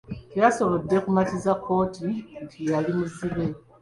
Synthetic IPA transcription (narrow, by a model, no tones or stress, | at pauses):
tejaso̞βo̞dːe̞kumatizakʰːo̞ːtitijalimiziβe̞